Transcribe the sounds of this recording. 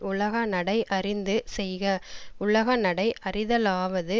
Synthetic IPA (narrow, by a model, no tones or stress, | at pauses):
ʊɭɐɣɐnɐɽɐɪʔɐrɪnd̪ɯsɛjɣɐʊɭɐɣɐnɐɽɐɪʔɐrɪðɐlaːʋɐðɯ